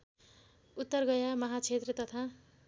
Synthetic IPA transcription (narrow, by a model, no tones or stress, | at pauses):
ut̪ːʌrɡʌjamʌɦat͡sʰet̪rʌt̪ʌt̪ʰa